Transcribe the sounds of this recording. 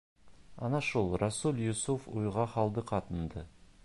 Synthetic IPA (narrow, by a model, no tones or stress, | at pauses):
ɑnɑʃulˠrasulˠjusufujʁɑχɑlˠd̪əqʰɑt̪ənd̪ə